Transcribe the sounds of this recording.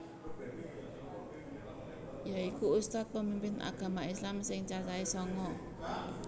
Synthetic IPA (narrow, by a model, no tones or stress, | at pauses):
jaikuust̪at̪̚pəmimpɪna̰ɡ̥a̤maislamsɪŋt͡ʃat͡ʃaisɔŋɔ